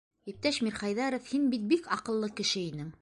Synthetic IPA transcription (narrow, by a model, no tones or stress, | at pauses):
ip̚t̪æʃmʲiɾχɑjðɑɾŏfhinbit̪̚bikɑqɤ̆lˠːɤkɘ̆ʃɘinɘŋ